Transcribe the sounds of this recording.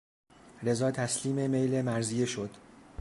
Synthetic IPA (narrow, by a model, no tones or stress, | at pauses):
ɾe̞zɒːt̪ʰæsliːme̞mejlemæɾzijeʃod̪̥